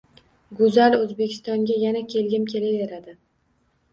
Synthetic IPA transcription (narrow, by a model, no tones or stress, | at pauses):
ɡʊzalɵzbekʲʰɪ̥st̪ɒŋɡʲajanakʲʰe̞lɡʲɪmkʲʰe̞laveɾad̪ɪ